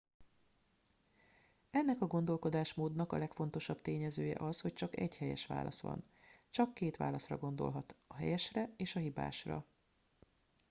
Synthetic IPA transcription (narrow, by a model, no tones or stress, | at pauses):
ɛnːɛkɒɡo̞nd̪o̞lko̞d̪aːʃmoːd̪nɒkɒ̰lɛkfo̞n̪t̪o̞ʃɒbt̪eːɲɛzøːjɛ̰ʔɒsho̞ct͡ʃɒkɛɟhɛjɛ̰ʃʋa̰ːlɒ̰sʋɒ̰n | t͡ʃɒkːeːt̪ʋa̰ːlɒsrɒ̰ɡo̞nd̪o̞̰lɦɒt̪ɒɦɛ̰jɛʃrɛeːʃɒɦiba̰ːʃrɒ̰